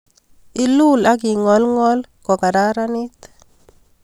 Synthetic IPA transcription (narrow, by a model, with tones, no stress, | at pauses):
i˦lu˦˨la˦k̬ɪ˨ŋɔ˨˦lŋɔ˦lkɔ˨ka˨da˦ɾa˦ni˦t̪